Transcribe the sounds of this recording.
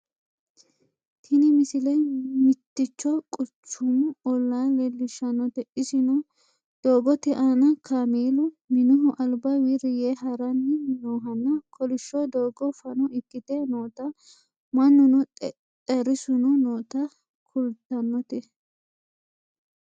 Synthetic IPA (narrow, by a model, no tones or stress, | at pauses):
t̪ʰɪnɪmɪsɪlɛmɪt̪ːɪt͡ʃːɔkʼʊt͡ʃːʊmʊɔlːaːlɛlːɪʃɐnːɔt̪ɛʔɪsɪnʊ | d̪̥oːɡɔt̪ɛʔanɐkʰameːlʊ | mɪnʊɦʊʔɐlbɐwiɾɪjeɦɐɾɐnːɪnoːɦɐnːɐkʰɔlɪʃːɔd̪oːɡɔfɐnʊʔɪkːɪt̪enoːt̪ɐ | mɐnːʊnʊ | t̪ʼɛɾɪsʊnʊnoːt̪ɐ | kʰʊlt̪ːɐnːɔt̪ɛ